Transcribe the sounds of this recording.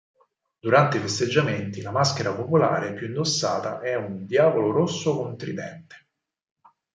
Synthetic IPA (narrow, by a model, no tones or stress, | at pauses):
d̪uɾant̪eifest̪ed͡ʒːament̪ilamask̟eɾapopola̰ːɾepːjuind̪osːa̰ːt̪aʔɛund̪jaːvoloɾosːokomt̪ɾid̪ɛ̰nt̪e̥